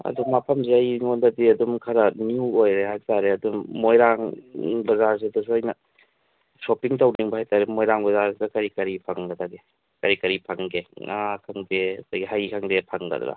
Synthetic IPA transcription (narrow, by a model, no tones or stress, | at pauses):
ɐ̰dumapʰɐmseɐjŋondɐdiɐdumkʰɐɾɐnjuojɾehajtaɾeɐdummojɾaŋbɐzaɾs̬idɐs̬uɐjnɐ | sopiŋtawniŋbɐhajtaɾemojɾaŋbɐzaɾsidɐkɐɾikɐɾipʰaŋɡɐtaɡe | kɐɾikɐɾipʰaŋɡeŋakʰɐŋdeɐdaɡiɦajkʰaŋdepʰaŋɡɐ̰d̰ɾa̰